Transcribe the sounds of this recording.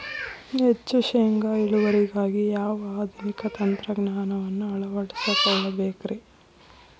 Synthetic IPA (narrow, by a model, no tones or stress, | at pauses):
ɦet͡ʃːuʃeːŋɡaːiɭuʋɐɾiɡaːɡijaːʋɐaːd̪ʱinikɐt̪ɐnt̪ɾɐɡnaːnɐʋɐnːuɐɭɐʋɐɽisɐkɐɭːɐbeːkɾi